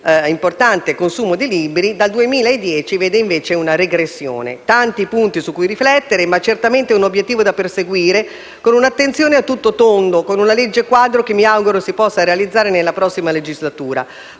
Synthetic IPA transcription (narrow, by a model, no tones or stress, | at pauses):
import̪ant̪ekonsuːmod̪iliːbɾid̪ald̪uemiːlaed̪ːjɛːt͡ʃiveːd̪eiɱveːt͡ʃeunaɾeɡɾesːjo̰ːnḛt̪ant̪ipunt̪isukːujriflɛt̪ːeɾemat͡ʃert̪ament̪eunobjet̪ːiːvod̪aperseɡwiːɾe | konunat̪ːent̪sjoːneat̪ːut̪ːot̪ond̪okonunaled͡ʒːekwaːd̪ɾok̟emːiawɡuɾosipɔsːaɾealid̪zːaːɾenelːapɾɔsːimaled͡ʒizlat̪uːɾa̰